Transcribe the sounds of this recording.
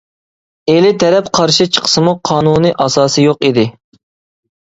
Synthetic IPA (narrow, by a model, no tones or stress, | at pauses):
elɪt̪ʰɛɾɛp̚qʰɑɾʃit͡ʃʰə̥qʰə̥sɨmuqʰɑːnunɨʔɑsɑːsɨjoqid̪ɪ